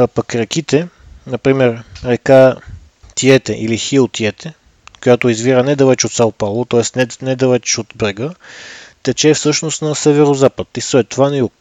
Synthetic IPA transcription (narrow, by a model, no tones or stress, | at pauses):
pɐkɾɛkit̪ɛ | nɐpɾimɛɾɾɛka | t̪iɛt̪ɛʔilixiot̪iɛt̪ɛ | kojat̪oizviɾənɛd̪ɐlɛt͡ʃot̪salˠpalˠʊt̪ɔɛst̪nɛnɛd̪ɐlɛt͡ʃot̪bɾɛɡət̪ɛt͡ʃɛfsɤʃnost̪nɐsɛvɛɾozapət̪isɛt̪ːovanɐjuk̚